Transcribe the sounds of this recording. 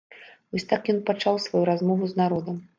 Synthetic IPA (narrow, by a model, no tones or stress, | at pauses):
vɔsʲt̪akjɔnpat͡ʂawsvajuɾazmɔvuznaɾɔd̪ɐm